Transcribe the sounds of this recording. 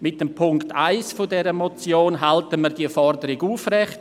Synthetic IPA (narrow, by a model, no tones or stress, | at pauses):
mɪt̚dempʰʊŋktʰaɪsfʊdɛɾəmot͡sjoːnɦaltəməɾdiəfɔrdəɾɪɡuːfrɛχt